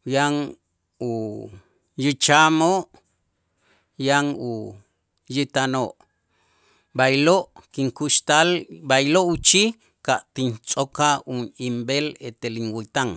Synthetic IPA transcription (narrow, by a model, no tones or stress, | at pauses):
jaŋ | u | jit͡ʃamoʔ | jaŋu | jit̪anoʔ | bajloʔkiŋkuʃt̪albajloʔut͡ʃi | kaʔt̪int͡sʼokaunimbelet̪eliŋwit̪aŋ